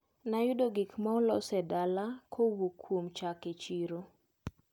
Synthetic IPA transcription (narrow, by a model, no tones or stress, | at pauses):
najʊdoɡikmɔlɔsɛdalakʰowukʰːwomt͡ʃaket͡ʃiɾo